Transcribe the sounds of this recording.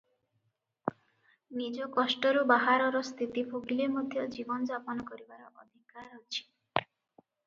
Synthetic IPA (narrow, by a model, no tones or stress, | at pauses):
nid͡ʒɔkɔsʈɔɾubaɦaɾɔɾɔst̪ʰit̪ipʰoɡilemod̪ʱjɔd͡ʒibɔnɔd͡ʒapɔnɔkɔɾibaɾɔʔɔd̪ʱikaɾɔt͡ʃʰi̥